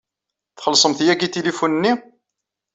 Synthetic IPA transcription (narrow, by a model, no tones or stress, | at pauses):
θχəlsˤəmθjæɡit̪ilifunənːi